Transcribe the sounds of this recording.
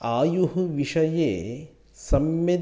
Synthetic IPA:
aːjuɦuʋiʂɐjeː | sɐmje

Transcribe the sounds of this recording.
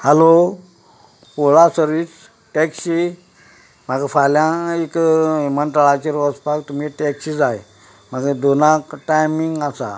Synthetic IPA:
həlo | poɭasəɾʋiːt͡s | ʈeksi | m̤aɡafaljãekmənt̪ɾəɭat͡ɕiɾɔd͡zpakt̪um̤iʈeksid͡zaj | m̤aɡad̪onakʈajmiŋɡasa̰

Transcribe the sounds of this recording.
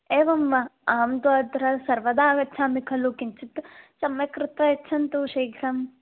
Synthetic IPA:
eːʋɐmʋɐaːmd̪uaːd̪ʱɾɐsɐɾʋɐd̪aːɡɐtːt͡ʃʰaːmikʰɐlukiɲt͡ʃit̪sɐmjɐkɾɪt̪ɐetːt͡ʃʰɐnt̪uʃɐjɡʱɾɐm

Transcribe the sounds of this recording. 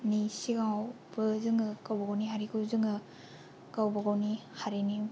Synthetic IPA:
nisiɡawbɯzɯŋɯkawbaɡawniɦaɾikʰɯzɯŋɯ | kawbɯɡawnihaɾini

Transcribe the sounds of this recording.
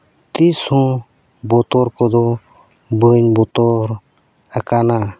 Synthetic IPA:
t̪ishɔ̃ | bɔt̪ɔɾkɔd̪ɔ | bəɲbɔt̪ɔɾ | akana

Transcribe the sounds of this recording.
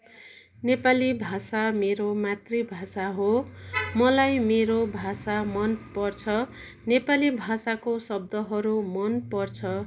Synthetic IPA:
nepalibʱasameɾomat̪ribʱasaɦomʌlajmeɾobʱasamʌnpʌrt͡sʰʌ | nepalibʱasakosʌb̚d̪ʌɦʌɾumʌnpʌrt͡sʰʌ

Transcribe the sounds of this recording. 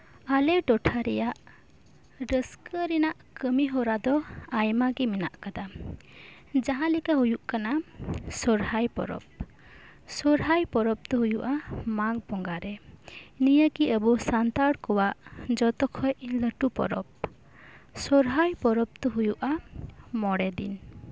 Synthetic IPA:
alɛɖɔʈʰaɾɛjaʔ | ɖəskəɾinaʔkəmiɦɔɾad̪ɔajmaɡiminaʔkad̪a | d͡ʒaɦãlikaɦujuʔkanasɔɾhajpɔ̰ɾɔ̰p̚ | sɔɾɦajpɔɾɔp̚t̪ɔɦujuʔamaɡ̚bɔŋɡaɾɛnijəkiʔəbusant̪aɽkɔwaʔd͡ʒɔt̪ɔkʰɔjʔləʈupɔ̰ɾɔp̚ | sɔɾɦajpɔɾɔp̚t̪ɔɦujuʔamɔɽɛd̪ḭn

